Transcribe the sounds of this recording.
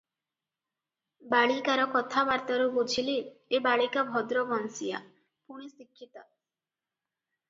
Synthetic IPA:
baɭikaɾɔkɔt̪ʰabaɾt̪aɾubut͡ʃʰiliebaɭikabʱɔd̪ɾɔbɔnsija̰ | puɽ̃isikʰːit̪ɔ

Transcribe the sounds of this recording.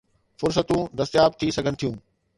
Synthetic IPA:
fʊɾs̬ət̪ũd̪ɐst̪ɪjaːb̚t̪ʰisɐɡʱənɪt̪ʰijũː

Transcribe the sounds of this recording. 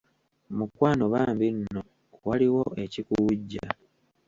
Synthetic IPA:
mukwaːnoβaːmbinːo | waliwo̞ʔe̞cikuwuɟːa̰

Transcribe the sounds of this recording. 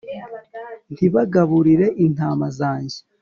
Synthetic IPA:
n̥iβaɡaβuɾiɾe̞ʔin̥aːmazaːɲɟi

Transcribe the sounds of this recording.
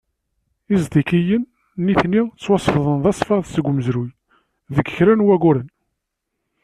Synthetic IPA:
izd̪ikijən | nːiθnit͡sːwɑsˤfðˤənðɑsˤfɑðsəɡʷməzɾuj | ðəɡçɾænwæɡʊɾən

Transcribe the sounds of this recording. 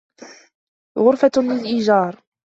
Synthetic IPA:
ɣʊɾˤfalɪlʔɪʒɑːɾˤ

